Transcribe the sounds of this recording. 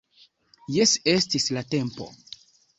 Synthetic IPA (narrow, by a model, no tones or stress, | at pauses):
jese̞stislate̞mpo̞̰